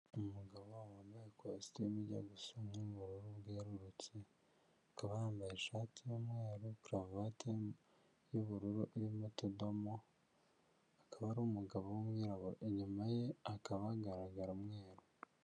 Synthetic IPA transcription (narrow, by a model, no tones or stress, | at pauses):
umuɡaβowawoneekosi̥teimiɟa̰ɡusomuβuɾuɾuβɡeːɾuɾut͡se | akaβahaːmbajeʃaːtijomwe̞ːɾokɾavate | joβuɾuɾuʔiɾimutudomo | akaβaɾomuɡaβowomwiːɾaβuɾoʔeɲumaje̞akaβaɡaɾaɡaɾamŋwe̞ːɾo